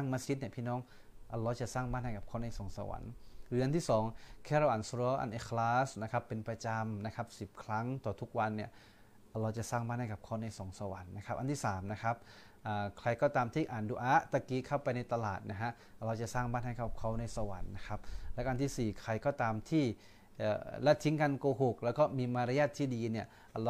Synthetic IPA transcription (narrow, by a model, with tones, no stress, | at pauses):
a˥˩ŋmaː˧si˦˥t̪̚ni˧˥˩pʰiː˥˩nɔː˦˥ŋ | ʔa˧lɔː˧t͡ɕa˨˩saː˥˩ŋmaː˦˥˩t̪̚ha˥˩jka˨˩p̚kʰaː˧˦˩wna˧jsoː˨˦ŋsa̰˧wa̰˨˩˦nɾɯː˩˦ʔa˧nt̪ʰiː˥˩sɔː˨˩˦ŋkʰɛː˥˩ɾa˧wʔaː˨˩nsu˧ɾɔː˦˧˥ʔa̰˨˩nʔe˧˥kʰlaː˦˥sna˦˥kʰa˦˥pːe˧npɾa˧t͡ɕa˧mna˦˥kʰa˦˥p̚si˨˩p̚kʰɾa˦˥ŋt̪ɔː˨˩t̪ʰu˦˥k̚wa˧nːi˧˥˩ɐ | ʔa˧laː˧wt͡ɕa˨˩saː˥˩ŋmaː˧˥˩n̚ha˥˩ka˨˩p̚kʰa˧˥˩wna˧˩jso˨˩˦ŋsa˧wa̰˨˩˦nːa˦˥kʰa˦˥p̚ʔa˧nt̪ʰiː˥˩saː˩˦mna˦˥kʰa˦˥p̚ | ʔaː˨˩kʰɾa˧jkɔː˥˩t̪aː˧mt̪ʰiː˥˩ʔaː˨˩nduː˨˩ʔaː˦˥t̪a˧kiː˨˦˥kʰa˥˩wpa˧jna˧jt̪a˧la̰ː˨˩t̪̚na˦˥ɦa˦˥ʔ | ɾa˧wt͡ɕa˨˩saː˥˩ŋbaː˥˩n̚ha˥˩ka˨˩p̚kʰa˦˥˩wna˧jsa˧wa̰˨˩˦nːa˦˥kʰa˦˥p̚lɛ˦˥ʔa˧nt̪ʰiː˥˩siː˨˩kʰɾa˧jkɔː˥˩t̪aː˧mt̪ʰiː˥˩ | ʔːlɛ˦˥t̪ʰːi˦˥ŋka˧nkoː˧ɦo˨˩k̚lɛː˦˥wkɔː˥˩miː˧maː˧ɾa˧jaː˥˩t̪ʰːiː˥˩diː˧ni˥˩ɐ˧